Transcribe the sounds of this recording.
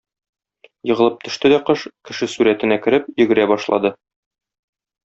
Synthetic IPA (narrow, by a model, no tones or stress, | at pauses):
jɤ̆ʁɤ̆lˠɤp̚t̪ʰɵ̆ʃt̪ɘd̪æqɤʃkɘ̆ʃɘsuɾæt̪ɘ̆nækɘ̆ɾɘp̚jɵ̆ɡɘ̆ɾæbɒʃlˠɑ̰d̪ɤ